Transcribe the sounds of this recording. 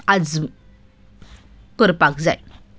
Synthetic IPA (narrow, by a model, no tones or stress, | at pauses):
ad͡z | kəɾpakd͡za̰j